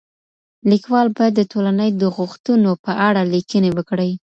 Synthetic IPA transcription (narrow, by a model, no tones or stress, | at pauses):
likwɑlbajad̪ːətolanəjd̪əɣʊxt̪unopəʔaɽalikənewəkɽəj